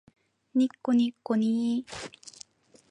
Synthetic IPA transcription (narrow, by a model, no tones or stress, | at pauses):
nikːonikːoni